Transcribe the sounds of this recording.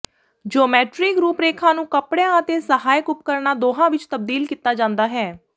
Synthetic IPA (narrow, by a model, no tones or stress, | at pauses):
d͡ʒoːmɛːʈɾɪkɾuːpɾeːkʰãːnũːkəpɽejãːət̪eːsəɦaːjkʊp̚kəɾnaːd̪oːɦãːʋɪt͡ʃt̪əb̚d̪iːlkiːt̪aːd͡ʒãːnd̪aːɦɛː